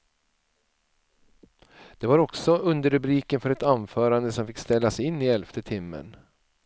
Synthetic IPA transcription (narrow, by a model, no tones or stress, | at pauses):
d̪̥ɛvaɾɔksɔɵnd̪əɾɵbɾiːkənfœɾɛt̪anfœːɾand̪əsɔmfɪkːst̪ɛlːasɛjɪnːɪɛlft̪ət̪ʰɪmːə̰n